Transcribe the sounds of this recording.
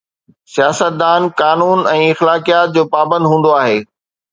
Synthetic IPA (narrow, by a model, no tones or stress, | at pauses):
sijaːsət̪̚d̪aːnkaːnuːnɛ̃ːɪxlaːkijaːt̪̚d͡ʑoːpaːbə̃nd̪ɦũːn̆d̪oaːɦeː